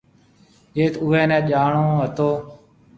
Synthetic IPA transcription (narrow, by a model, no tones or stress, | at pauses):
jeːt̪ʊːɛːnɛ̃ːʄaːɳoːɦət̪oː